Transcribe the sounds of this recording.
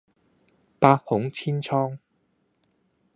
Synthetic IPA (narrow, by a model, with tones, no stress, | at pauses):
paː˧t̚hʊ˨˥ŋt͡sʰiː˥nt͡sʰɔː˥ŋ